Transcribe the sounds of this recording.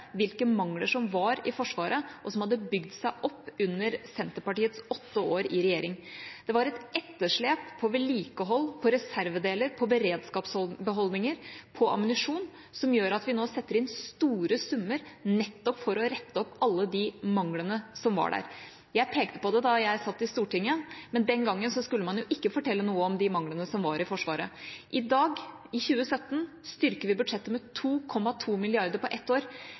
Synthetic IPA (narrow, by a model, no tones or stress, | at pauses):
ʋɪlkəmɑŋləʂɔmʋɑɾɪfɔʂʋɑːɾəʔɔsɔmhɑd̪ːəbʏɡd̪sæɪʔɔpːʉnːəɾsɛnt̪əɾpɑʈiːət̪sɔt̪ːəoːɾɪɾɛjeːɾɪŋd̪̥ɛʋɑɾɛt̪ɛt̪ːəʂɭeːpʰːɔʋɛliːkəɦɔlːpʰɔɾɛsæɾʋəd̪eːləɾpʰɔbəɾeːd̪skɑːpsɔbəɦɔld̪nɪŋəɾpʰɔʔɑ̰mənɪʂuːn | sɔmjøːɾɑt̪ʋɪnoːsɛt̪ːəɾɪnst̪uːɾəsʉmːəɾnɛt̪ːɔpfɔɾɔɾɛt̪ːəɔpːɑlːəd̪ɪmɑŋlənəsɔmʋɑ̰ɖæ̰ɾ | jæɪpʰeːk̚t̪ə̥pɔd̪ɛd̪ɑjæɪsɑt̪ːɪst̪uːʈɪŋːəmɛnd̪ɛnɡɑŋːənsɔskʉlːəmɑnjʊʔɪkːəfɔʈʰɛlːənuːəɔmd̪ɪmɑŋlənəsɔmʋɑɾɪfɔʂʋɑːɾəʔɪd̪ɑːɡ | ɪçʉːəsœt̪ːn̩ | st̪ʏɾkəʋɪbʉd̪ʂɛt̪ːəmɛt̪ʰuːkʰɔmːɑt̪ʰuːmɪlɪɑɾd̪əɾpɔʔɛt̪ːoːɾ